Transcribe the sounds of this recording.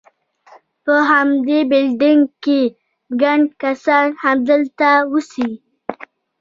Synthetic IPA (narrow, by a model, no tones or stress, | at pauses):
pəɦamd̪ebɪlɖɪŋɡke | ɡaɳɖkasɑnhamd̪əlt̪awusi